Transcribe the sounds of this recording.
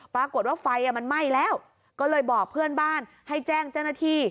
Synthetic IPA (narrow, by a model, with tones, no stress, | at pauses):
pɾaː˧ku˨˩ət̪̚waː˥˩fa˧jʔa˨˩ma˧nma˥˩jlɛː˦˥˩w | kɔː˥˩lɤː˧jbɔː˨˩k̚pʰɯ˥˩ənbaː˥˩n | ha˥˩jt͡ɕɛː˥˩ŋt͡ɕa˥˩wnaː˥˩t̪ʰiː˧˥˩